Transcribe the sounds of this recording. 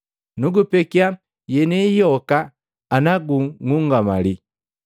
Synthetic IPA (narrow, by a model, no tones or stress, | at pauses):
nuɡupɛkia | jɛnɛjɔkaː | naɡuŋuŋɡama̰li